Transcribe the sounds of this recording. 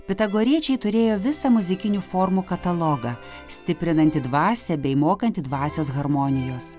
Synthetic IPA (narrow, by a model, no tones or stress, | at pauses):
pʲɛt̪ɐɡɔɾʲiɛt͡ʃʲɛɪt̪ʊɾʲeːjoːʋʲɪsɐmʊzʲɪkʲɪnʲuːfoːɾmukɐt̪ɐlˠoɡɐ | sʲt̪ʲɪpʲɾʲɪnɐnʲt̪ʲɪd̪ʋɑːsʲɛbʲɛɪmoːkɐnʲt̪ʲɪd̪ʋɑːsʲoːs̬ɣɐɾmɔnʲɪjoːs